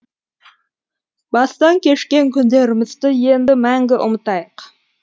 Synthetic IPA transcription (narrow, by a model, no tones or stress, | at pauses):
bɑst̪ɑŋkʲe̞ʃkʲe̞ŋkʲʰʏnd̪e̞ɾɪmɪzd̪ɪje̞nd̪ɪmæŋɡʲɪʔʊmət̪ɑjəq